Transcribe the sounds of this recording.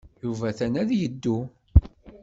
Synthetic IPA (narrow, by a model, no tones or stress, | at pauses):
juvæθænæðjəd̪ːu